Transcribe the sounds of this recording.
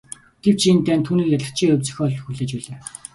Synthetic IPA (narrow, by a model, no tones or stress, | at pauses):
ɡ̥ew̥t͡ɕʰint̪æːnt̪ʰːuːniːkaɮɪ̆xt͡ɕʰiŋɵwʲt͡sɵ̆xʲɔːɮɞ̆xuɮeːt͡ɕpæːɮeː